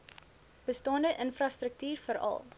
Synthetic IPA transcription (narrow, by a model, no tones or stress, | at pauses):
b̥əstɑːndəʔənfrɑstrək̚tyːrfəɾɐ̰lˠ